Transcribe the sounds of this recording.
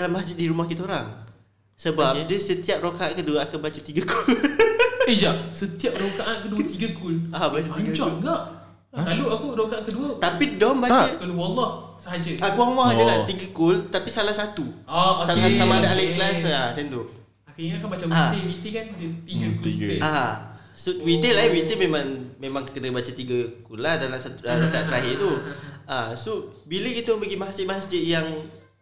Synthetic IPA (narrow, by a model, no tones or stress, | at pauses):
lamasd͡ʒɪt̪̚diɾumahkit̪əoɾaŋ | səbap̚dəsət̪iap̚rokaʔankəduəakanbat͡ʃət̪iɡəkul | ed͡ʒaʔsət̪iap̚ɾokaʔankədut̪iɡəkulabat͡ʃəaɲɡəkd͡ʒɔɡaʔ | kaloakuɾokaʔankəduət̪apidɔmbat͡ʃəkaluwalah | səɦad͡ʒəakuaŋwaŋad͡ʒalaht̪iɡəkʊlt̪apisalahsat̪uɔsaasamadaalaklasasənt̪u | akiɲakanmat͡ʃamaewit̪ikandət̪iɡəkua | suwit̪elawit̪əmemãŋmemãŋkkədəbat͡ʃət̪iɡəkulahdalasat̪udaat̪aʔt̪ɾaɦit̪uasobiləkit̪əbəɡimaɦasd͡ʒɪʔmaɦasd͡ʒəʔjaŋ